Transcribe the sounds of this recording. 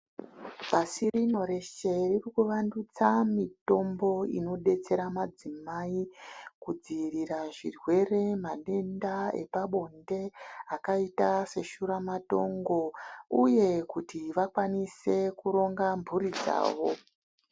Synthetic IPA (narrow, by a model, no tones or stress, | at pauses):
pasirino̞ɾe̞ʃe̞ririkuʋandut͡samito̞mbo̞ḭno̞ɗe̞t͡se̞ɾamad͡zimaikud͡ziriraʐḭrwe̞re̞maɗe̞ndae̞̰paɓo̞nde̞akaitase̞ʃuɾamato̞ŋɡo̞uje̞kutiʋakwanise̞kuɾo̞ŋɡambuɾid͡za̰ːʋo̞